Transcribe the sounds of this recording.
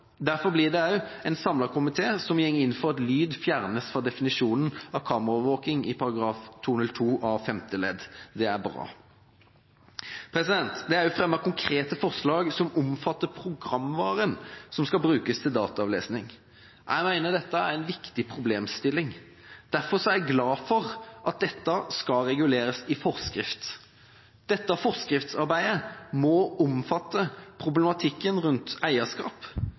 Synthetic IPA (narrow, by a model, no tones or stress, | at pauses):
d̪æɾfɔblɪd̪ɛɑʉɛɪnsɑmlɑʁkʊmɪt̪ʰeːsɔmjɛŋːɪnfɔʁɑt̪lyːd̪fjæʁnəsfɔd̪ɛfɪnɪʂuːnənɑkʰɑːməʁɔʋəɾʋoːkɪŋɪpʰɑɾɑɡɾɑːft̪ʰuːnʉlt̪ʰuːʔɑfɛmt̪əlɛd̪d̪ɛæɾbɾɑ̰ː | pʰɾɛsɪd̪ɛnt̪d̪ɛæɾjʊfʁɛmːəkʰʊŋkʰɾeːt̪əfɔɾslɑːɡsɔmʊmfɑt̪ːəpʰɾʊɡɾɑmʋɑːɾənsɔmskɑbɾʉːkəst̪ʰɪld̪ɑ̰ːt̪ɑɑʋlḛːsnɪŋ | jʔæ̰ɪmæɪnəd̪ɛt̪ːəæɾæɪnʋɪkt̪ɪpʰɾʊbleːmst̪ɪlːɪŋ | d̪̥æɾfɔsɔæɡlɑːfɔɾʔɑt̪̚d̪ɛt̪ːəskɑɾɛɡʉleːɾəsɪfɔɾskɾɪft̪ | d̪̥ɛt̪ːəfɔɾskɾɪft̪sɑɾbæɪəmɔɔmfɑt̪ːəpʰɾʊblɛmɑt̪ʰɪkːənʁʉnt̪æɪəskɑ̰ːp